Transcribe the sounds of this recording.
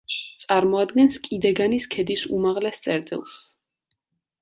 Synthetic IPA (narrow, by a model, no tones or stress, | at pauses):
t̪sʼaɾmɔad̪ɡɛnskʼid̪ɛɡaniskʰɛd̪isṵmaʁlɛst̪sʼɛɾt̪ʼḭlˠs